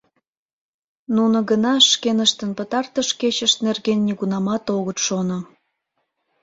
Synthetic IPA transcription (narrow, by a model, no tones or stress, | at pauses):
nunə̆ɣənɑʃkenəʃt̪ənpət̪ɑrt̪əʃket͡ɕəʃt̪nerɣenːʲiɣunɑmɑt̪oɣət̪ʃono